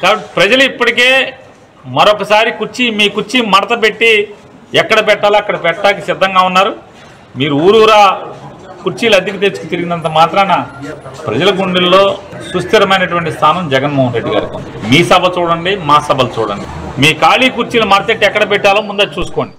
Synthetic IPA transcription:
kaːbɐʈːi̥pɾɐd͡ʒɐluipːɐʈike̞ː | mɐɾokːɐsaːɾikuɾt͡ʃimiːkuɾt͡ʃimɐɽɐt̪ɐpe̞ʈːi | ɛkːɐɽɐpɛʈːaːlaːɐkːɐɽɐpɛʈːaːlkisɪd̪ʱːɐŋɡaːunːaːɾu | miːɾuuːɾuːɾaː | kuɾt͡ʃiːlɐd̪ikit̪̬eːɾt͡ʃukut̪iɾiɡind̪ɐnt̪ɐmaːt̪ɾɐmɐnɐpɾɐd͡ʒɐlɐɡuɳɖillo̞ːsust̪ʰɐɾɐmɐjnɐʈ̬uʋɐɳʈist̪ʰaːnɐmd͡ʒɛɡɐnmoːɦɐnɾe̞ɖːiɡa̰ːɾiko̰n | miːsɐbʱɐt͡ʃuːɽɐɳɖimaːsɐbʱɐlut͡ʃuːɽɐ̰ɳɖi | miːkaːliːkuɾt͡ʃiːlɐmɐɽɐt̪eʈːiɛkːɐɽɐp̬ɛʈːaːloːmund̪ɐt͡ʃuːsu̥ko̞ːɳɖi̥

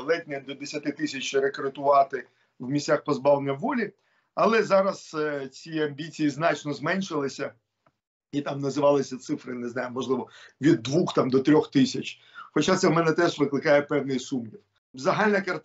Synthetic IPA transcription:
lˠɛt̪ʲnʲɐd̪ɔd̪esʲɐt̪ɪt̪ɪsʲɐt͡ʃɾekɾet̪ʊʋɑt̪ɪ | wmʲisʲt͡sʲaxpɔzbɑʋlˠenʲːɐwːɔlʲi | ɐlˠɛzɑɾɐst͡sʲiɐmʲbʲit͡sʲijiznɑt͡ʃnɔzmɛnʲʃɪlˠɪsʲɐ | it̪ɑmnɐzɪʋɑlˠɪsʲɐt̪sɪfɾɪneznɑjʊmɔʒlˠɪʋɔʋʲid̪ːʋuxt̪ɑmd̪ɔt̪ɾʲɔxt̪ɪsʲɐt͡ʃʲ | xɔt͡ʃat̪sɛmɛnɛt̪ɛʒʋɪklˠɪkɑjɛpɛwnɪjsumjiw | zɐɦalʲnɐkɐrt̪

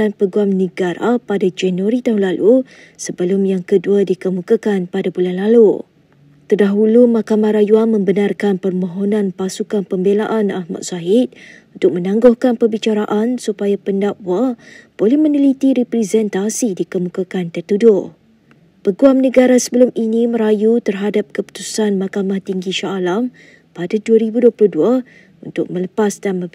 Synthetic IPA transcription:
anpəɡuamnəɡaɾa̰padad͡ʒanuaɾit̪aɦunlalʔu | səbəlʊmjaŋkəduadikəmukakanpadabulanlalu | t̪ərdaɦulumakamaɾajuanmə̃mbənarkanpərmõɦonãnpasukanpəmbelaʔana̰hma̰t̪̚saɪt̪̚unt̪ʊk̚mə̃nãŋɡʊhkanpərbit͡ʃaɾaʔansupajapəndaʔwab̥olɛhmə̃nilit̪iɾɛpɾɛzɛnt̪asidikəmukakant̪ərt̪udʊʔ | pəɡuamnəɡaɾasəbəlʊminĩməɾajut̪ərɦadap̚kəpu̥t̪usanmakamaht̪iŋɡiʃaːlam | padaduaɾibuduəplʊhdua | unt̪ʊk̚mə̃ləpasdanmə

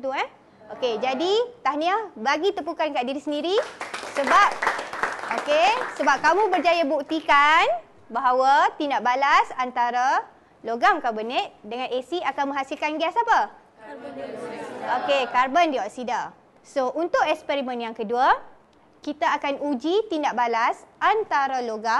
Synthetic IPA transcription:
t̪uɛ | oked͡ʒadit̪ahniabaɡit̪əpukankaʔdiɾisəndiɾisəbap̚ | okesəbap̚kamũbərd͡ʒajabuk̚t̪ikan | baɦawat̪indaʔbalasant̪aɾa | loɡamkabənəʔ̚dəŋãnesiakanmə̃ŋɦasilkanɡiasapa | okekarbəndiwaʔsida | soʔunt̪ʊʔ̚ɛkspɛɾimə̃njaŋkədua | kit̪aːkanud͡ʒit̪indaʔbalasʔant̪aɾaloɡam

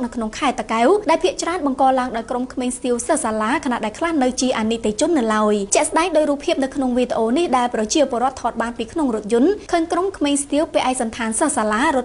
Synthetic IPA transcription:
k̚nɨwkʰnoŋkʰaɛt̪akawɗaɛlpʰiəʔt͡ɕraənɓɑŋkɑːlaəŋɗaɔjkromkʰmeːŋst̪iəwsəhsaːlaːkʰana̰ʔɗaɛlkʰlahnɨwt͡ɕiəʔanit̪et͡ɕʊ̆ənːɨlaəjt͡ɕɛ̆əʔsɗaɛŋɗoːj̚ruːpʰːiəp̚nɨwkʰnoŋʋiːt̪ĕʔoːnihɗaɛlprɑt͡ɕiəpŏəɾŏət̪ʰːɑːt̪̚ɓaːnpiːkʰnoŋrʊ̆ət̪̚jʊ̆ənkʰənkromkʰmeːŋst̪iəwpeːʔaɛk̚sɑnt̪ʰaːnsəhsaːlaːruət̪̚

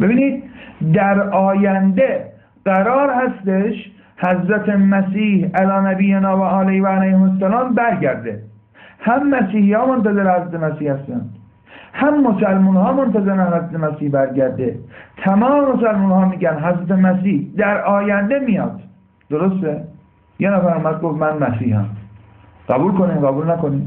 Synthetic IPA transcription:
be̞biːniːd̪̚d̪æɾɒːjænd̪e | ɢ̥æɾɒːɾhæst̪eʃ | hæzɾæt̪ʰemæsiːhælɒːnæbiːjenɒːvæɒːlejvæælæjhemosːælɑːmbæɾɟæɾd̪ḛ | hæmːæsiːhiːhɒːmont̪æzeɾehæzɾæt̪ʰemæsiːhhæst̪æ̰nd̪ | hæmːosælmuːnhɒːmont̪æzeɾænhæzɾæt̪ʰemæsiːhbæɾɟæɾd̪et̪ʰæmɒːmemos̬ælmuːnhɒːmiːɟænɦæzɾæt̪ʰemæsiːhd̪æɾʔɒːjænd̪emijɒ̰ːd̪̥ | d̪̥oɾost̪e | jenæfæɾumæd̪̚ɡofmænmæsiːhæ̰m | ɢ̥æbuːlkoniːmɢæbuːlnækoniːm

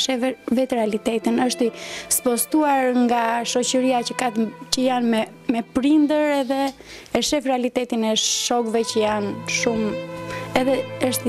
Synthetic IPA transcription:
ʃɛvɛt̪ɾɛalit̪ɛt̪inəʃt̪ispɔst̪uaɾŋɡaʃɔcəɾiacəkat̪cəjanmɛ | mɛpɾind̪əɾɛðɛ | ɛʃɛfrɾɛalit̪ɛt̪inɛʃɔkvɛcəjanʃum | ɛðɛəʃt̪i

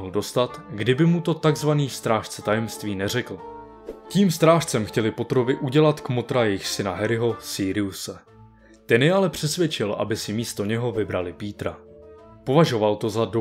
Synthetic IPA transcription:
ɦl̩do̞st̪at̪ɡdɪbɪmut̪o̞t̪aɡzvaniːfst̪ɾaːʃt͡sɛt̪ajɛmst̪viːnɛr̝ɛkl̩ | ciːmst̪ɾaːʃt͡sɛmxcɛlɪpo̞t̪ɾo̞vɪʔuɟɛlat̪kmo̞t̪ɾajɛjɪxsɪnaɦɛɾɪɦo̞siːɾɪusɛ | t̪ɛnjɛalɛpr̝̥ɛsvʲjɛt͡ʃɪlʔa̰bɪsɪmiːst̪o̞ɲɛɦo̞vɪbɾalɪpiːt̪ɾa̰po̞vaʒo̞valt̪o̞zado

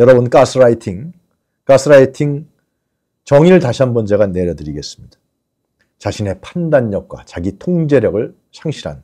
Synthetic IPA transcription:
jʌɾʌbɯnk͈asʰɯɾaitʰiŋ | k͈asʰɯɾaitʰiŋ | t͡ɕʌŋiɾɯɭtaɕʰiɦanbʌnd͡ʑe̞ɣane̞ɾjʌdɯɾiɡe̞s͈ɯ̥mɲid̥ḁ | t͡ɕaɕʰine̞pʰandaɲːʌk̚k͈wa̰t͡ɕaɡitʰoŋd͡ʑe̞ɾjʌɡɯɭ | sʰaŋɕʰiɾɦa̰n

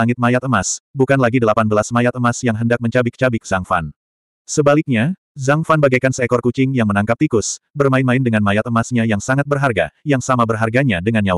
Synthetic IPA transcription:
aŋɪt̪̚majat̪əmasbukanlaɡidəlapanbəlasmajat̪̚əmasjaŋɦəndak̚məɲt͡ʃabɪk̚t͡ʃabɪk̚z̥aŋfa̰n | səbalɪk̚ɲa | zaŋfanbaɡajkansəɛkɔrkut͡ʃɪŋjaŋmənaŋkap̚t̪ikʊsbərmaɪnmaɪndəŋanmajat̪əmasɲajaŋsaŋat̪̚bərɦarɡajaŋsamabərɦarɡaɲadəŋanjaw

